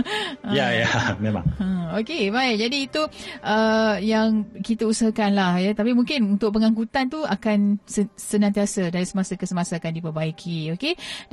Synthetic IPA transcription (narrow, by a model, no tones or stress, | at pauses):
əjajamẽmã̰ŋə̃okebajd͡ʒadiːt̪uʔəjaŋkit̪əusəɦakanlahjat̪apimuŋkɪnunt̪ʊʔ̚pəŋãŋkut̪ant̪uakansəsənãnt̪iasədaɾisəmasəkəsəmasaakandipəbaikʰioke